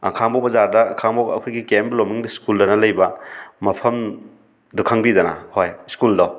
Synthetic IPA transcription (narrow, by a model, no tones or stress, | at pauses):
a̰kʰaŋbobɐzaɾdɐkʰaŋbokɐ̰kʰujɡikemblomiŋbiskuldɐnɐlɐjbɐmɐpʰɐm | dukʰaŋbidɐnɐ̰hojskuldo